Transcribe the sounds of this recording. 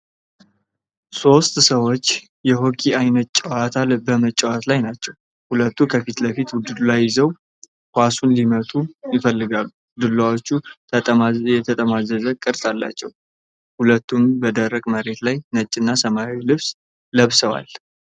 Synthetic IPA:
so̞st̪səwo̞t͡ʃː | jɛɦo̞kʼʰiajnət̪̚t͡ʃʼəwat̪ʰalbəmət͡ʃʼːɛwat̪lajnat͡ʃːɛw | hulət̪ːukʰəfit̪ləfit̪wʊd̪ɨd̪ulajːɪzəw | hʷasunlimət̪ʼujɪfəlːɨɡalːu | d̪ɨlːawo̞t͡ʃːu | jɛt̪ʰət̪ʼəmazəzəkʼɨɾt̪ʼalːa̰t͡ʃːɛw | hulət̪ːumbəd̪əɾːəkʼməɾe̞t̪lajnət͡ʃʼːɨnːasəmawilɨβs | ləβsəwa̰l

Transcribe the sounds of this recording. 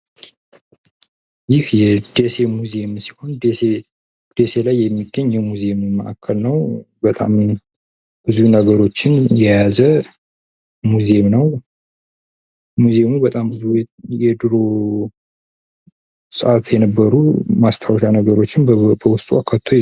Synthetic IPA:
jɪhjɛd̪̥ese̞muzemsi̥ho̞nd̪ee | d̪̥ese̞lajːɛmːiɡːəɲːjɛmuze̞mmə̰ʔa̰kʰːəlnəw | bət̪ʼa̰m | b̥ɨzunəɡəɾo̞t͡ʃːɪnjɛjazə | muzemnəw | muze̞mubət̪ʼambɨzujɛd̪ɨɾo̞ | səʔat̪jɛnəbːəɾumast̪ʰawʃanəɡəɾo̞t͡ʃːɪnbəwʊst̪ʼuakʰːatt̪ʰːo

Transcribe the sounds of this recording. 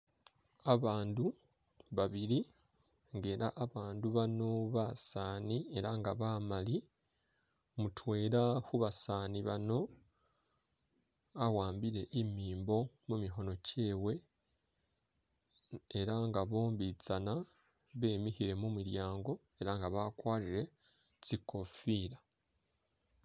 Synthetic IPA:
aβaːndu | βaβiɾi | ŋɡe̞ɾaʔːβaːnduβano̞βasaːnie̞ɾaŋɡaβaːmali | mutwe̞ːɾahuβasaːniβano̞ | awaːmbiɾe̞ʔimiːmbo̞ | mumiɦo̞no̞ce̞ːwe̞ | ɾaŋɡaβo̞ːmbit͡sana | βe̞ːmihiɾe̞mumuɾjaːŋɡo̞ | e̞ɾaŋɡaβakwaːɾiɾe̞ | t͡siko̞fiɾa

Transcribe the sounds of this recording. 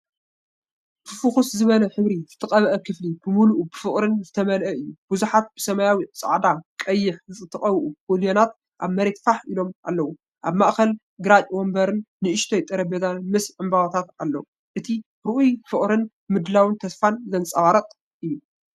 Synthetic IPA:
tʰɨfuxuszɨβɐnɐħɨβɾizɨt̪ʰɐqʼɐβʔɐkʰɨflibɨmuluʔubɨfɨχʼɾɨnzɨt̪ʰɐmɐlʔɐɨjːub̥uzuħat̪̚b̥ɨsɐmajawisʼa̰ʕd̪akʼɐjːɪħzɨt͡sʼɨt̪ʰɐχʼɐβʔuoljo̞nat̪̚ | ʔaβmɐɾe̞t̪faħilo̞mʔa̰lːɐwu | ʔaβmaʔxɐl | ɡɨɾat͡ʃʼwombɐɾɨnːɨʔɨʃt̪ʰojt̪ʼɐɾɐbezanmɨsʕɨmbawt̪ʰat̪alːɐ̰wu | ʔɨt̪ʰi | ɾɨʔujfɨχʼɾɨn | mɨd̪lawɨnt̪ʰɐsfanzɐnt͡sʼɐβaɾɐt̪ʼ | ɨjːu

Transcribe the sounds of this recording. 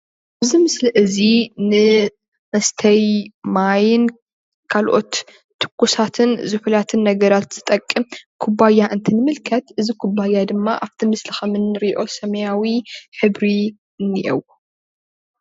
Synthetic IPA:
abzimɨsliʔɨzinɨ | mɐst̪ʰɐjmajɪn | kʰalʔo̞t̪ʰː | ɨ̥kːusat̪ʰɨnzɨfulat̪ʰɨnːɐɡɐɾat̪z̥ɨt̪ʼɐkʼːɨmkʰubajːaʔɨnt̪ʰinɨmɨlkʰɐt̪ʔɨzikʰubajːad̪ɨmːaʔaft̪ʰimɨslɨxɐmɨnːɨɾiʔo̞sɐmɐjawiħɨbɾi | niʔɛw

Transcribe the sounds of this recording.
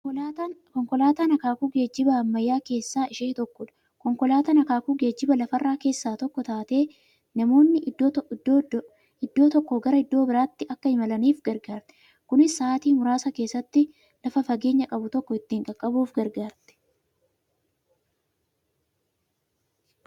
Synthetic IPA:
kɔŋkɔlaːt̪aːnɐkaːkuːɡe̞ːd͡ʒːɪbɐɐmːɐjːaːke̞ːsːaːʔɪʃeːt̪ɔkːɔᶑɐ̥ | kɔŋkɔlaːt̪anɐkaːkuːɡe̞ːd͡ʒːɪbɐlɐfɐrːaːke̞ːsːaːt̪ɔkːɔt̪aːt̪e̞ː | nɐmo̞ːnːɪ | ɪd̪ːo̞ːt̪ɔkːɔɡɐɾɐɪd̪ːo̞ːbɪɾaːt̪ːɪɐkːɐɪmɐlɐniːfɡɐɾɡaːɾt̪ɛ̥ | kʊnɪsːaːt̪iːmʊɾaːsɐke̞ːsːɐt̪ːɪ | lɐfɐfɐɡe̞ːɲːɐkʼɐbʊt̪ɔkːɔɪt̪ːɪːŋkʼɐkʼːɐbuːfɡɐɾɡaːɾt̪ɛ̥

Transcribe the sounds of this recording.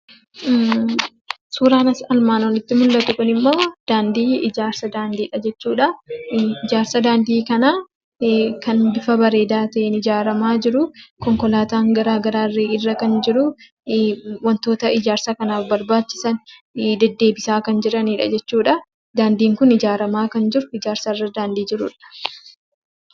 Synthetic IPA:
suːɾaːnɐsɐlmaːnwɔlɪt̪ːɪmʊlːɐt̪ʊkʊnɪmːo̞ːd̪̥aːnd̪iːɪd͡ʒaːɾsɐd̪aːnd̪iːᶑɐd͡ʒɛt͡ʃːuːᶑɐ | ɪd͡ʒaːɾsɐd̪aːnd̪iːkɐnaː | kɐnd̪ɪfɐbɐɾeːd̪aːt̪ɐʔenɪd͡ʒaːɾɐmaːd͡ʒɪɾʊkɔŋkɔlaːt̪aːŋɡɐɾaːɡɐɾaːrːeːɪrːɐkɐnd͡ʒɪɾʊ | wɐnt̪o̞ːt̪ɐɪd͡ʒaːɾsaːkɐnaːfbɐɾbaːt͡ʃːɪ̥sɐnd̪ɛd̪ːe̞ːbɪsaːkɐnd͡ʒɪɾɐniːᶑɐ̰d͡ʒɛt͡ʃːuːᶑɐ | d̪aːnd̪iːŋkʊnɪd͡ʒaːɾɐmaːkɐnd͡ʒɪɾʊɪd͡ʒaːɾsɐrːɐd̪aːnd̪iːd͡ʒɪɾʊᶑɐ̥

